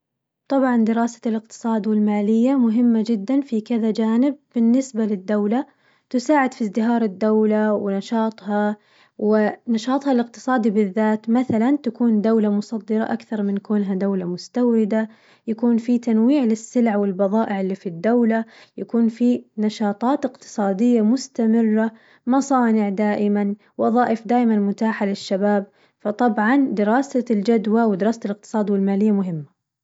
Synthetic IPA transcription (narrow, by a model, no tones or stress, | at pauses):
t̪ˤɑbʕɑnd̪ɪɾɑːsḁlɪq̚t̪ɨ̥sˤɑːd̪wɪlmaːlɪjːamʊɦɪmːad͡ʒɪd̪ːanfikɪðad͡ʒaːnɪb̚ːɪnːɪsbalɪd̪ːawla | t̪ʊsaːʕɪd̪fizd̪ɪɦɑːɾˤɪd̪ːawlawɪnɑʃɑːt̪ˤhɑ | wɪnɑʃɑːt̪ˤhɑlɪq̚t̪ɨ̥sˤɑːd̪ibɪðːaːt̪maθalant̪akuːnd̪awlamʊsˤɑd̪ːɑɾˤɑ̰ʔakθɑɾˤmɪnkuːnɦad̪awlamʊst̪awʕɪd̪a | jakuːnfit̪anwiːʕlɪsːɪlʕawɪlbɑðˤɑːʔɪʕɪlːiːfid̪ːawlajakuːnfinɑʃɑːt̪ˤɑːt̪ɪqt̪ɨ̥sˤɑːd̪ɪjːamʊst̪amɪrːa | mɑsˤɑːnɪʕd̪aːʔɪman | wɑðˤɑːʔɪfd̪aːʔmanmʊt̪aːħalɪʃːabaːb̚ | fɑt̪ˤɑbʕɑnd̪ɪɾɑːsald͡ʒad̪wawɪd̪ɪɾɑːsalɪq̚t̪ɨ̥sˤɑːd̪wɪlmaːlɪjːamʊɦɪmːa